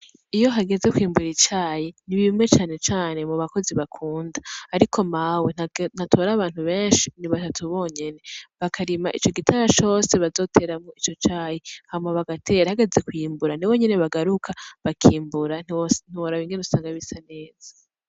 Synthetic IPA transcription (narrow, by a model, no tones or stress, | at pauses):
ijo̞ɦaɡe̞ze̞kwiːmbuɾit͡ʃaːjiniβimŋe̞t͡ʃaːne̞t͡ʃaːne̞muβako̞ziβakʰuːndaːɾikʰo̞mawenn̥atʰo̞ːɾaβaːn̥huβe̞ːnʃiniβatatʰuβo̞ːɲe̞ne̞βakʰaɾimaʔit͡ʃo̞ɡitʰaɾat͡ʃo̞ːse̞βazo̞tʰe̞ɾamŋoit͡ʃo̞t͡ʃaːjihamaβaɡatʰe̞ɾahaɡe̞ze̞kwiːmbuɾaniwo̞ɲeneβaɡaɾukʰaβakʰiːmbuɾan̥iwoɾaβiːŋɡenusaːŋɡaβisane̞ːz̥a